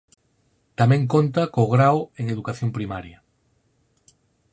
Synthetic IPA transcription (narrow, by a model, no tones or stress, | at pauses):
t̪amẽŋk̬õnt̪akoɣɾaweŋeðukaθjompɾimaɾja